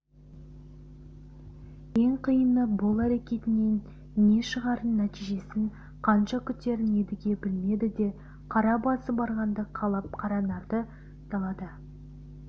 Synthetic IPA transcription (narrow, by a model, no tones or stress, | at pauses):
je̞ŋqʰijənəbʊlˠæɾekʲe̞t̪ɪne̞nː | e̞ʃəʁɑɾənːæt̪ijʒe̞sɪŋ | qʰɑnʃɑkʲʰʏt̪ːe̞ɾɪne̞d̪ɪɡʲe̞bɪlme̞d̪ɪd̪e̞ | qʰɑɾɑbɑsəbɑɾʁɑnd̪əqʰɑlˠɑp̚qʰɑɾɑnɑɾd̪ə | t̪ɑlˠɑd̪ə